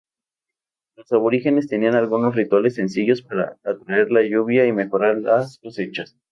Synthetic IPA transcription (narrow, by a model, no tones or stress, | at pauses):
lo̞saβo̞ɾixe̞ne̞st̪e̞nianalɣuno̞srit̪wale̞sːe̞nsiʝo̞spaɾa̰at̪ɾae̞ɾlaʝuβjaime̞xo̞ɾaɾlasko̞se̞t͡ʃas